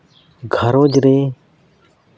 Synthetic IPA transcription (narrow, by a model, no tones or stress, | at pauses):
ɡʱəɾoːd͡ʒɾeː